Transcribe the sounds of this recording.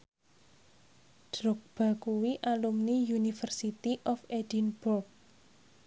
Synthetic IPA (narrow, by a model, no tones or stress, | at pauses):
d̥ɾɔk̚b̥a̤kuwiʔalumnijunifərsit̪iʔɔfed̥inburk̚